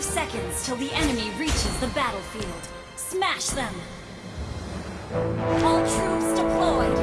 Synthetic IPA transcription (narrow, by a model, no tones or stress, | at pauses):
sɛkɨ̃ndz̥tʰɨlˠðiʔɛnɨmiɹit͡ʃɨzðəbæɾl̩ˠfilˠd̥ | smæʃðɨ̃m | ɛlˠtʰɹ̥upsd̥ɨpʰl̥ɔɪd̥